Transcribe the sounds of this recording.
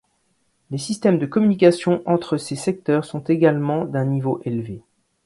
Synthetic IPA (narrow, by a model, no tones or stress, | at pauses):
lesist̪ɛmd̪əkɔmynikʲasjɔ̃ʔɑ̃t̪χəsesɛk̚t̪œʁsɔ̃t̪eɡalmɑ̃d̪ɛ̃nivoʔelve